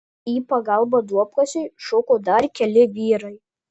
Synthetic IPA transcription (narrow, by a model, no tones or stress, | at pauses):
iːpɐɡɐlˠbɐd̪uɔpkɐsʲɛɪʃokoːd̪ɐɾkʲɛlʲɪʋʲiːɾɐɪ